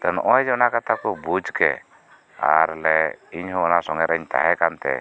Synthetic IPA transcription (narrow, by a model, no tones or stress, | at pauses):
t̪ɛnɔʔɔjd͡ʒɔnakat̪akɔbud͡ʒkɛ̰ | a̰ɾlɛiɲɦɔ̃ːnasɔŋɛɾaɲt̪a̰ɦɛkant̪ɛ̰